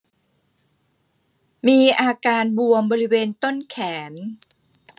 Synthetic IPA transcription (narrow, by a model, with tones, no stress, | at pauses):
miː˧ʔaː˧kaː˧nbu˧əmbɔː˧ɾi˦˥weː˧nt̪o˥˩nkʰɛː˩˦n